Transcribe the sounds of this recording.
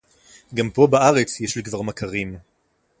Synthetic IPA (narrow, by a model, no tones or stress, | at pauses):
ɡampo̞baaʁet͡sjeʃlikvaʁmakʰaʁim